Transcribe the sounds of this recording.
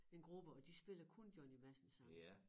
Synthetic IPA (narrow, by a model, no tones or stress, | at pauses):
e̝nɡ̥ʁub̥əɒ̽d̥isb̥e̝l̰ɐkʰond̥jɒnimæsn̩sɑ̈ŋ